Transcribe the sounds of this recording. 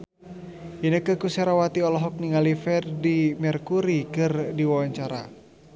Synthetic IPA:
inəkəkusɛɾawat̪iɔlɔɦɔk̚niŋalifɛrdimɛrkuɾikɨrdiwawaɲt͡ʃaɾa

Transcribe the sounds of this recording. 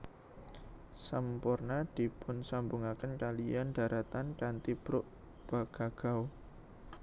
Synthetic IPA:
səmpʊrnad̪̥i̤pʊnsambuŋakənkalianɖ̥a̤ɾat̪ankant̪ib̥ɾʊʔ | b̥aɡ̥a̤ɡ̥aw

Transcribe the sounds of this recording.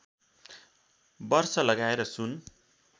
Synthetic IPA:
bʌrsʌlʌɡaeɾʌsun

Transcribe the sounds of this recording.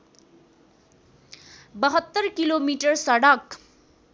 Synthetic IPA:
bʌɦʌt̪ːʌrkilomiʈʌrsʌɽʌk

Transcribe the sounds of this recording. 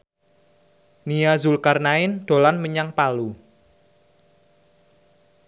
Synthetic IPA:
nijazulkarnaɪnɖ̪̥o̤lanməɲaŋpalu

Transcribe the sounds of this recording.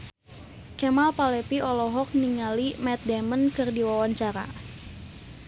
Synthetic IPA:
kɛmalpalɛpiɔlɔɦɔk̚niŋalimɛt̪̚dɛmənkɨrdiwawaɲt͡ʃaɾa̰

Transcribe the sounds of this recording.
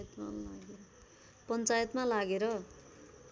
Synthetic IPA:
t̪ma̰la̰ɡeɾʌ | pʌnt͡sajʌt̪malaɡeɾʌ

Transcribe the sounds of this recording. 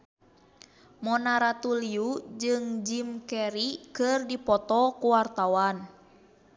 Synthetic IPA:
mɔnaɾat̪uliud͡ʒɨŋd͡ʒimkɛɾikɨrdipɔt̪ɔkuwart̪awan

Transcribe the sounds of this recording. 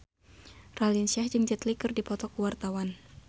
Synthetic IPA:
ralinsiahd͡ʒɨŋd͡ʒət̪likɨrdipɔt̪ɔkuwart̪awan

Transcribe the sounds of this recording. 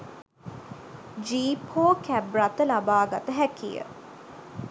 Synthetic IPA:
d͡ʒiːpʰoːkæbɾat̪əlabaːɡat̪əɦækijə̰

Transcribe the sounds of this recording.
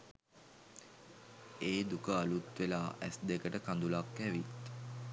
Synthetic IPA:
eːd̪ukəalut̪ʋelaːʔæ̰sd̪ekəʈəkand̪ulakːɛʋit̪

